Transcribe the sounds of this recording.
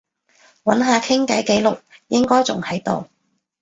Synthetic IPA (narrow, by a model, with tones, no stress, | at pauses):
wɐ˨˥nɦaː˨˧kʰɪ˥ŋkɐ˨˥jke˨˥jlʊ˨k̚jɪ˥ŋkɔː˥jt͡sʊ̰˨ŋhɐ˨˥jt̪o̰˨w